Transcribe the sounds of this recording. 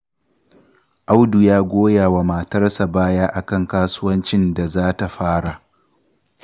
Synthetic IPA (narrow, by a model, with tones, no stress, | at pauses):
ʔa˦wdu˨jaː˦ɡʷoː˦jaː˨wa˨maː˨tɐ˦rsa˨baː˦jaː˦ʔa˨kɐ˦˨ŋkaː˦sʊ˦wɐ˦nt͡ʃɪ˦nda˨zaː˦ta˨ɸaː˦ɽa˨ʔ